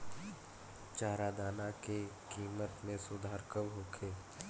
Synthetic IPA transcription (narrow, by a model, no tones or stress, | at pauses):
t͡ʃaːɾad̪aːnakekiːmət̪mẽsʊd̪ʱaːɾkəmɦoːkʰeː